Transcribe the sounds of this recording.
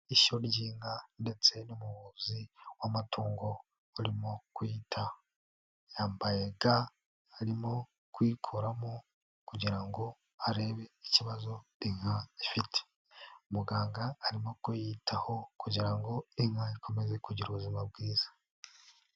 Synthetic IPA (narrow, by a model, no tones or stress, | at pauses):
iʃo̞ɾɟiːŋande̞t͡se̞numuβuːziwamatʰuːŋɡo̞ | uɾimokwjitʰa | jaːmbajeɡa | aɾimo̞ | kwiːkʰoɾamo | kuɟiɾaŋɡo̞ | aɾe̞βe̞iciβazo̞iŋhaifitʰe̥ | umuɡaːŋɡaːɾimo̞kujitʰaho̞kuɟiɾaŋɡo̞iŋhaikʰo̞me̞ze̞kuɟiɾuβuzimab̚ɡiːz̥ḁ